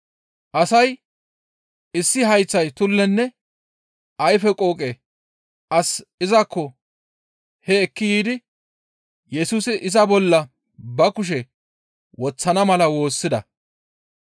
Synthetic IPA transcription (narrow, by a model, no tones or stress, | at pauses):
ʔɐsɐj | ɪsːɪɦɐjt͡sːɐjt̪ʊlːɛnːɛ | ɐjfɛkʼoːkʼeː | ʔɐsɪzɐkːɔ | hɛːkːɪjiːd̪ɪ | jɛsuːsɪʔɪzɐbɔlːɐ | bɐkʊʃ̬ɛ | wɔt͡sːɐnɐmɐlɐwo̞ːsːɪd̪ɐ